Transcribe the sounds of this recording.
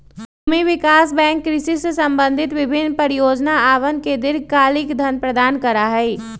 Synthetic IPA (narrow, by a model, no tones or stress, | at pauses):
ʊmiʋɪkaːsbɛ̃ːŋkːɾɪsisesɐ̃mbə̃nd̪ʱɪt̪ʋɪbʱɪnːpəɾɪjoːd͡ʒnaaːʋənked̪ɪɾkaːlɪkd̪ʱənpɾəd̪aːnkəɾaɦɛi